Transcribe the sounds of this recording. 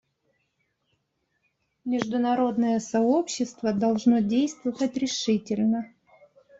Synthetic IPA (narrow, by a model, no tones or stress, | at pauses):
mʲɪʐd̪ʊnɐɾo̞d̪nəjəsɐo̞pɕːɪst̪vəd̪ɐlˠʐno̞dʲejst̪vəvətʲɾʲɪʂɨtʲɪlʲnə